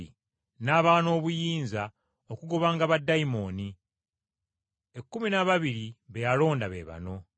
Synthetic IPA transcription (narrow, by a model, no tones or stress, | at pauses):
ḭ | naːβaːno̞ːβujiːnza | o̞kuɡo̞βaːŋɡaβadːaimo̞ni | e̞kːuminaβaβiɾiβejalo̞ːndaβḛβa̰no̞